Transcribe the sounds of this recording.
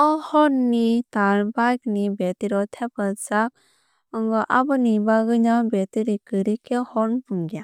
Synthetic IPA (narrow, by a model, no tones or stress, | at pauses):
ɔhɔnːitaɾbajk̚nibetiɾɔtʰepalsak̚ | ɔŋɡɔʔabɯnibaɡɯnabetiɾikɯɾikʰehɔnbuŋɡia